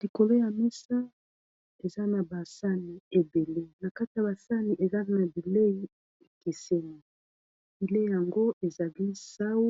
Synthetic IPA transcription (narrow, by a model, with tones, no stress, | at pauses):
li˨ko˨lo˦ja˨mi˦sa˦ | e˨za˦na˨ba˨sa˦ni˨e˨be˨le˦na˨ka˦ti˨ja˨ba˨sa˦ni˨ʔe˨za˦na˨bi˨le˦i˦ | e˨ke˨se˦ni˨ | bi˨le˦ja˨ŋɡo˦e˨za˨li˦sa˦wu˦